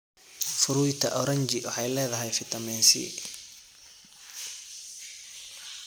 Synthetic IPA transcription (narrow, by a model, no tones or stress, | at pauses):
fʊɾuːjt̪ʰɐʔɔɾɐɲt͡ʃɪwɑħɑjlɛːðɐɦɛjfɪt̪ʰɐmɛːnsɪ̰